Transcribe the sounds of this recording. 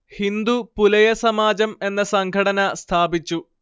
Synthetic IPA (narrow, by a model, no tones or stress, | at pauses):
hind̪upulɐjɐsɐmaːd͡ʑɐme̞nːɐsɐŋɡʱɐɽɐnɐst̪ʰaːbit͡ɕːu